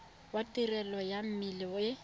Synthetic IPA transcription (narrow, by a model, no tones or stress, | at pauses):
watʼirɛlɔjam̩milɪɪ